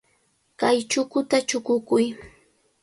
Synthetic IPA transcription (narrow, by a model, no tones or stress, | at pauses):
kajt͡ʃʊkʊt̪at͡ʃʊkʊkʊj